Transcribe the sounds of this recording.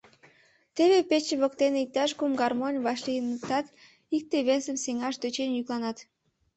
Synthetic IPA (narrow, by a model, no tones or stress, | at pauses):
t̪eβepet͡ɕeβokt̪eneik̚t̪ɑʃkumɡɑrmonʲβɑʃlijənəkt̪ɑt̪ | ik̚t̪eβesəmseŋɑʃd̪øt͡ɕenjyklɑnɑt̪